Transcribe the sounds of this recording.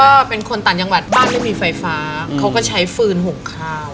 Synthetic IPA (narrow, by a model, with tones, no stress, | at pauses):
ɔː˥˩pe˧nkʰo˧nt̪a˨˩t͡ɕa˧ŋwa˨˩t̪̚baː˥˩nma˥˩jmiː˧fa˧jfaː˦˥kʰa˦˥wkɔː˥˩t͡ɕʰa˦˥jfɯː˧nɦo˨˩kʰːaː˥˩